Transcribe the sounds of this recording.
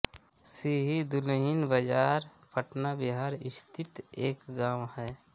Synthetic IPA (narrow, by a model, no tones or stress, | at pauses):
siɦid̪ʊlɦɪnbəd͡ʒaːɾpʰəʈnabɪɦaːɾɪst̪ʰɪt̪eːkɡaːwhɛː